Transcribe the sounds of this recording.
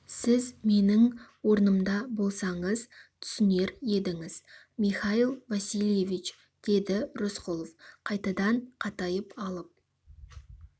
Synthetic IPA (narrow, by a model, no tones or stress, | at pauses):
sɪzme̞nɪŋwo̞ɾnəmd̪ɑbo̞lˠsɑɴəzt̪ʰʏ̥sɪne̞ɾje̞d̪ɪŋɪz̥ | mijχɑilˠvasilje̞vit͡ʃ | d̪̥e̞d̪ɪɾosqolˠofqʰɑjt̪ɑd̪ɑɴqʰɑt̪ɑjəpɑlˠəp̚